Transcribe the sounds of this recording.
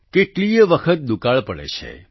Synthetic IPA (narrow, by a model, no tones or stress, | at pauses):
keʈlieʋəkʰət̪̚ɗ̪ukaɭpəɭḛt͡ʃʰḛ